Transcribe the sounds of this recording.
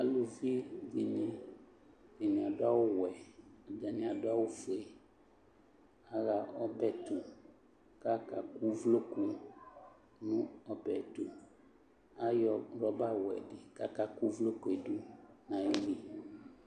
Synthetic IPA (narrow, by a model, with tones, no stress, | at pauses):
a˨lu˨vi˦d͡ʒi˨nĩ˨ | ve˨nĩ˨a˨ɖa˦wo˦wɛ˨a˨d͡ʒa˨nĩ˨a˨ɖa˦wo˦fo˨e˨ | a˨ɣa˨ɔ˦bɛ˨tu˨ | ka˦ka˨ku˦vlo˦ku˨ | nũ˦ɔ˨bɛ˨t̪u˨ | a˦jɔ˨ɾɔ˦ba˦˨wɛ̰˨ɖɪ˨ka˦ka˦ku˦vlo˦ku˨e˨du˦nã˨ji˦li˨